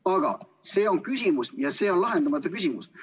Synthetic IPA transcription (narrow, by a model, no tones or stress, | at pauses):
ɑɡ̥ɑ̰ | se̞ːo̞nkysʲimusjɑse̞ːo̞nlɑɦend̪ɑmɑt̪ːˑɑkysʲimus